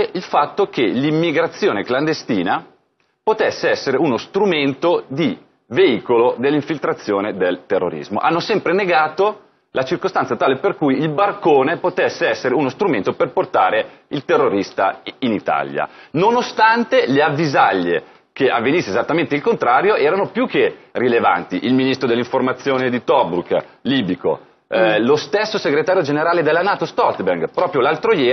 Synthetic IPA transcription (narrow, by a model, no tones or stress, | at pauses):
ilfat̪ːokelimːiɡɾat̪sːjoːnekland̪est̪iːna | pot̪esːeɛsːeɾeunost̪ɾument̪od̪i | veiːkolod̪elːiɱfilt̪ɾat̪sːjoːned̪elt̪erːo̰ɾḭzmo̰ʔa̰nːosɛmpɾeneɡaːt̪o | lʔat͡ʃirkost̪ansat̪aːleperkujilbarkoːnepot̪esːeɛsːeɾeunost̪ɾument̪operport̪aːɾe | ilt̪erːoɾist̪a̰init̪a̰lja̰nonost̪ant̪eleavːizaʎːḛ | keʔavːenisːezat̪ːament̪eilkont̪ɾaːɾjoʔɛːɾanopjukʰːerileva̰nt̪iʔilminist̪ɾod̪elːiɱformat̪sːjoːned̪it̪ɔbɾuk | liːbiko̰ | lost̪esːoseɡɾet̪aːɾjod͡ʒeneɾaːled̪elːanaːt̪ost̪ɔlt̪berɡpɾɔːpɾjolalt̪ɾojɛː